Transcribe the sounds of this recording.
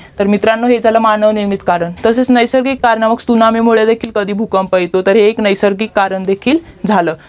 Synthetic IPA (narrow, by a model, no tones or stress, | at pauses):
t̪əɾmit̪ɾanːoɦed͡zʱaləːmanəʋniɾmit̪kaɾəɳt̪əset͡snəjsəɾɡikːaɾɳəməɡst̪unamemuɭed̪ekʰiːlkəd̪ʱiːbʱukəmpəjt̪ot̪əɾɦeːknəjsəɾɡikːaɾəɳd̪ekʰiːld͡zʱaləː